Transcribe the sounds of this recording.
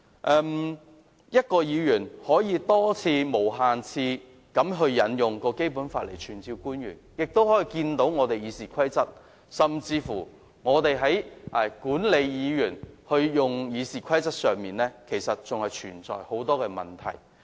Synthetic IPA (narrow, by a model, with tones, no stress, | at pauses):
ʔɛː˧m | jɐ˥t̚kɔː˧jiː˨˧jyː˨˩nhɔː˨˥jiː˨˧t̪ɔː˥t͡sʰiː˧mo˨˩wɦaː˨nt͡sʰiː˧ | kɐ˨˥mɦɵ˧ɥjɐ˨˧˥njʊ˨ŋkɔː˧ke˥jp̬uː˨˥nfaː˧t̚le˨˩jt͡ʃʰyː˨˩nt͡siː˧wkuː˥njy̰ː˨˩njɪ˨k̚t̪o˥whɔː˨˥jiː˨˧kiː˧nt̪o˨˥wŋɔː˨˧t̪e˨jiː˨˧siː˨kʷʰɐ˥jt͡sɐ˥t̚ | sɐ˨mt͡siː˧fuː˨˩ | ŋɔː˨˧t̪e˨jɦɐ˨˥jʔɛ˨˩kuː˨˥nle˨˧jjiː˨˧jyː˨˩nhɵ˧ɥjʊ˨ŋjiː˨˧siː˨kʰɐ˥jt͡sɐ˥t̚sœː˨ŋmiː˨˩nlɛː˥kʰe˨˩jsɐ˨t̚t͡sʊ˨ŋhɐ˨jt͡ʃʰyː˨˩nt͡sɔ̰ː˨jho˨˥wt̪ɔː˥kɛː˧mɐ̰˨nt̪ʰɐ̰˨˩j